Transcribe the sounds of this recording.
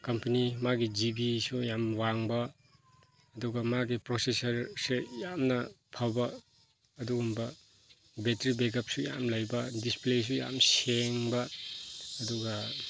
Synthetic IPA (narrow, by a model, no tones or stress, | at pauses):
kɐmpɐnimaɡid͡ʒibisujamwaŋbɐ | ɐduɡɐmaɡipɾosesɐɾsejamnɐ | pʰawbɐː | duɡumbɐ | betɾibekɐp̚suja̰mlajbɐdisples̬uja̰mseŋbɐ | ɐduɡɐ